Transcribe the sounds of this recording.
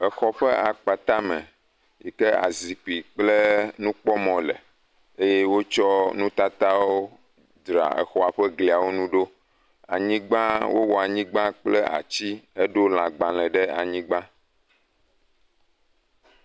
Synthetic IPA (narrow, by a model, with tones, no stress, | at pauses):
ɛ˨xɔ˦ɸɛ˦ʔa˨k͡pa˨t̪a˦mɛ̰̃˨ | ji˨kɛ˦a̰˨zi˨k͡pi˨k͡ple˦nũ˦k͡pɔ˦mɔ̃˨lɛ̰˨ | e˦je˦wo˦t͡ʃɔ˦nũ˦t̪a˦t̪a˦wwo˦ | d̪ɾa̰˨ḛ˨xɔ˨a˨ɸɛ˦ɡli˨a˨wo˦nũ˦ɖo˦ | a̰˨ɲĩ˦ɡ͡bã˦wo̰˦wɔ˨a˨ɲĩ˦ɡ͡bã˦k͡plɛ˦a̰˨t͡ɕi˦e˦ɖo˦l̃ã˨ɡ͡bã˨l̃ɛ̃˨ɖɛ˦a˨ɲĩ˦ɡ͡bã˦